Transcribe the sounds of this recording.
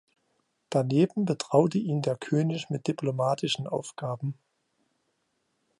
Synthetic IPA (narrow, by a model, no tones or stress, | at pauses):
d̥aneːbm̩bətʁ̥aʊtəʔiːndeːɐkʰøːnɪçmɪt̚d̥ipʰlomaːtʰɪʃn̩ʔa̰ʊfɡ̥aːbm̩